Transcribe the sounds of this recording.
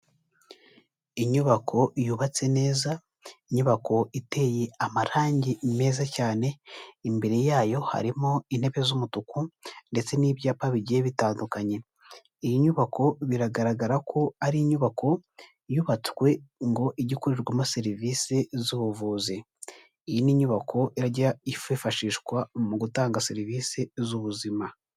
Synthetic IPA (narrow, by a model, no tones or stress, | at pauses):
iɲuβakʰo̞ʔijuβat͡se̞ne̞ːza | iɲuβakʰo̞ite̞ːjeamaɾaːɲɟime̞ːzacaːne̞imbe̞ɾejaːjo̞ha̰ɾimoin̥he̞βezumutukunde̞t͡se̞niːβjaːpaβiɟijeβitaːndukaɲe̞ | ijiɲuβakʰo̞βiɾaɡaɾaɡaɾakʰo̞aɾiɲuβako̞ | juβat͡swe̞ŋɡo̞ʔiɟikuɾiɾɡwamase̞ɾiviːsezuβuvuːziː | jiniɲuβakʰo̞ʔiɾaɟaififaʃiːʃkwamuɡutaːŋɡase̞ɾiviːsezuβuzima